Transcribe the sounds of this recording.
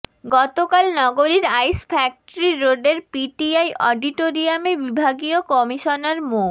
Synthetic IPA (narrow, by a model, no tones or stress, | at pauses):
ɡɔt̪okalnɔɡoɾiɾajspʰɛk̚ʈoɾiɾoɖeɾpiʈiajʔɔɖiʈoɾiamebibʱaɡiokɔmiʃonaɾmo